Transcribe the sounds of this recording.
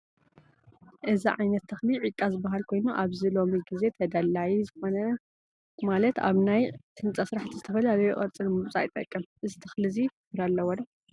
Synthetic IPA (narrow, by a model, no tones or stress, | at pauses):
ʔɨziʕajnɐt̪ʰːɐxliʕikʼːazɨbːaɦalkʰo̞jnuʔaβzilo̞miɡize̞t̪ʰɐd̪ɐlːajizɨxo̞nɐ | malɐt̪a̰βnajt̪ʰɨnt͡sʼasɨɾaħt̪ʰizɨt̪ʰɐfɐlalɐjuχʼɐɾt͡sʼɨlmɨmt͡sʼa̰jt̪ʼɐ̰kʼːɨmʔɨzit̪ʰɐxliziffkɾalːɐwɐdɐ